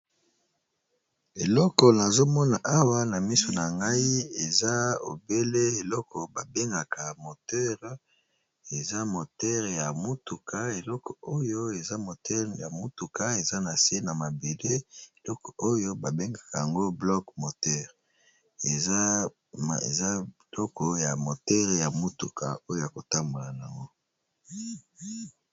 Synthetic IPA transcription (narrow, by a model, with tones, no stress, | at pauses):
e˨lɔ˦kɔ˨na˨zo˦mɔ˦na˨ʔa˦wa˦na˨mi˦so˨na˨ŋɡa˦i˦e˨za˦o̰˨be˦le˦e˨lɔ˦kɔ˨ba˨be˦ŋɡa˨ka˨mo˨tɛ˦ʁ | e˨za˦mo˨tɛ˦ʁja˨mu˦tu˨kʰa˦e˨lɔ˦kɔ˨o˦jo˦e˨za˦mo˨tɛ˦ʁja˨mu˦tu˨ka˦e˨za˦na˨se˦na˨ma˨be˨de˦e˨lɔ˦kɔ˨ʔo˦jo˦ba˨be˦ŋɡa˨ka˨ja˨ŋɡo˦blɔ˦kmo˨tɛ˦ʁ | e˨za˦˨ | ḛ˨za˦ | lɔ˦kɔ˨ja˨mo˨tɛ˦ʁja˨mu˦tu˨kʰa˨o˦jo˦ja˨ko˨ta˦mbo˨la˨na˨a˨ŋɡo˦